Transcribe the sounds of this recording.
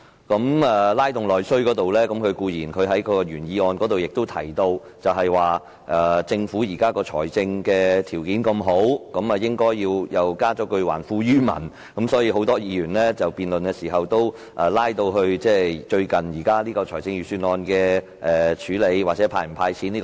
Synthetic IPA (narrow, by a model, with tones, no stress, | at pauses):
kɐ˨˥mɛː˨˩laː˥jt̪ʊ˨˩ŋlɔː˨jsɵ˥ɥkɔː˨˥t̪o˨wlɛː˥kɐ˨˥mkʰɵ˨˧ɥkuː˧jiː˨˩nkʰɵ˨˧ɥɦɐ˨˥jkʰɔ˧ɔ˧jyː˨˩njiː˧ɔː˧nkɔː˨˥t̪o˨wjɪ˨k̚t̪o˥wt̪ʰɐ˨˩jt̪o˧w | t͡sɐ˨wɦɐ˨jwaː˨˩ | ʔɛː˨˩t͡sɪ˧ŋfuː˨˥jiː˨˩kaː˥kɔː˧t͡ʃʰɔ̰ː˨˩jt͡sɪ˧ŋkɛː˧t̪ʰiː˨˩wkiː˨˥nkɐ˧mɦo˨˥wkɐ˨˥mɐ˨jɪ˥ŋkɔː˥jːiː˧wjɐ˨wkaː˥t͡ʃɔː˨˥kɵ˧ɥwa̰ː˨˩nfuː˧jyː˥mɐ̰˨˩n | kɐ˨˥msɔː˨˥jiː˧ho˨˥wt̪ɔː˥jiː˨˧jyː˨˩nlɛː˥t͡sɐ˨wpiː˨nlɵ˨nkɛ˧siː˨˩ɦɐ˨wt̪o˥w | ʔɛ˨laː˥jt̪o˧wɦɵ˧ɥt͡sɛː˥˩t͡ʃɵ˧ɥkɐ˨njiː˨˩kaː˥liː˥kɔː˧t͡ʃʰɔː˨˩jt͡sɪ˧ŋjyː˨syː˧nɔː˧nkɛː˧ | ʔɛː˨t͡ʃʰyː˨˥le˨˧jwaː˨˩t͡sɛː˨˥pʰaː˧jm˨˩pʰaː˧jt͡sʰi˨˥nliː˥k